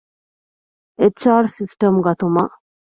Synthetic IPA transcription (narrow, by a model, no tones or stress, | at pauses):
et͡ʃaːɾsisʈɐmɡɐt̪umɐ